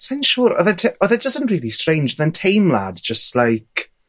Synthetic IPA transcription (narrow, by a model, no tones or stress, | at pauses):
sãɪ̃nʃuːɾɔ̰ðətʰɔðɛdəzə̃nʔɹiːlˠistɹ̥ẽj̃nd͡ʒɔðəntʰejmla̰dd͡ʒəstlajk